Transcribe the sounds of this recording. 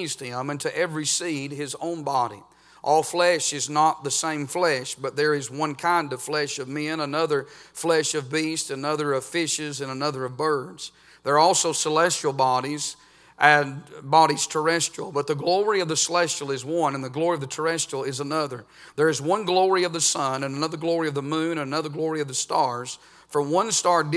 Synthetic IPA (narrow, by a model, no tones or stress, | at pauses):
zd̚ɪ̃mɪ̃ntʰɨʔɛvɹisid̚ɪzõ̰ʊ̃nbɑɾḭ | ʔɔlˠflɛʃɨznət̪̚ðɨsẽɪ̃ɱflɛʃb̥ʌt̪̚ðə˞ɪzwʌ̃nkʰãɪ̃ndʌv̥flɛʃʌvmɪ̃nənʌðə˞flɛʃʌvbistɨnʌðə˞ʌv̥fɪʃɪzɨ̃nənʌðə˞ʌvbɜ˞dz̥ | ðə˞ɔlˠsoʊsəlɛst͡ʃl̩ˠbɑɾiz | ʔɨ̃nbɑɾiz̥tʰə˞ɛstɹ̥il̩ˠbʌt̪̚ðɨɡlɔɹiʌvðɨsəlɛst͡ʃl̩ˠɨzwʌ̃nɨ̃nðɨɡlɔɹiʌvðɨtʰə˞ɛstl̩ˠɪzənʌðə˞ | ðə˞ɨzwʌ̃nɡlɔɹiʌvðɨsʌ̃nɨ̃nənʌðə˞ɡlɔɹiʌvðəmʉ̃nɨ̃nɨnʌðə˞ɡlɔɹiʌvðɨstɑɹz̥ | fə̃wʌ̃nstɑɹd